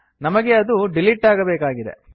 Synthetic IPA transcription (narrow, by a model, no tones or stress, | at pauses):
nɐmɐɡe̞ɐd̪uɖiliʈːaːɡɐbeːkaːɡid̪e̞̰